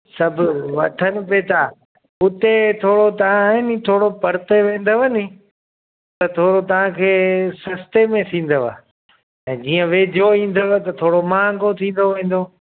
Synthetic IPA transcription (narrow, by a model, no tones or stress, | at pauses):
sɐbʱʊʋɐt̪ʰənɪ̆peːt̪ʰaː | ʊt̪et̪ʰoːɽot̪ɐʋ̤ãɪnɪt̪ʰoːɽopɐɾt̪eʋẽːn̆d̪oʋəni | t̪ɐt̪ʰoːɽot̪ɐʋ̤ãkʰeːsɐst̪emẽt̪ʰĩːn̆d̪oʋa̰ː | ɛ̃ːd͡ʑiːə̃ʋeːd͡ʑʱoĩːn̆d̪əʋt̪ɐt̪ʰoːɽomãːŋɡʱot̪ʰĩːn̆d̪oʋẽːn̆d̪oː